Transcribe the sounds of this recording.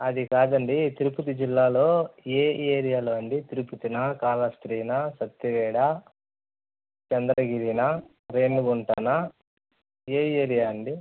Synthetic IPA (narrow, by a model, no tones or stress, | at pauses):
ɐd̪ikaːd̪ɐɳɖit̪iɾuput̪id͡ʒilːaːlo̞ːeːeːɾijaːlo̞ːɐɳɖit̪iɾuput̪inakaːlɐst̪ɾiːnasɐt̪ːiʋɛːɽa | t͡ʃɐnd̪ɾɐɡiɾina | ɾe̞ːnuɡuɳʈana | eːeːɾijaːɐɳɖi